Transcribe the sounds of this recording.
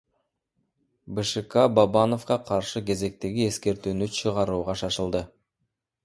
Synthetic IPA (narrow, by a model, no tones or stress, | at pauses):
bɨʃɨkɑbabɑno̞fqɑqʰɑɾʃɯke̞ze̞k̚t̪e̞ɡʲie̞ske̞ɾt̪yːnyt͡ʃʰɯʁɑɾuːʁɑʃɑʃɯlˠd̪ɯ